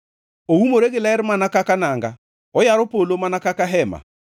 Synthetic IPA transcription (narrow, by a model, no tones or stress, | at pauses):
oumoɾeɣelaɛɾmanakakanaŋɡa | ɔjaɾopolomanakakaɦɛma̰